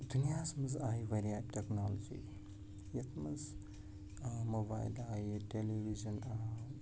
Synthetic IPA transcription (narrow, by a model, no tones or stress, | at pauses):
d̪unijaːsmɐzaːɦiʋɐɾijaːʈeknolod͡ʒḭː | jɐt̪ʰmɐz | mobaːjlaːiʈeliʋizɐna